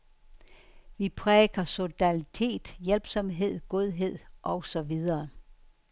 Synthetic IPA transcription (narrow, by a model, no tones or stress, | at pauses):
ʋipʰʁɛːɡ̥ɐso̝d̥ænit͡sʰe̝̰ːd̥jelb̥sɒ̽mɦe̝ð̞̰ˠɡ̥o̝ð̞ˠɦe̝ð̞̰ˠʔɒ̽ʊsɒ̽ʋið̞ˠɐː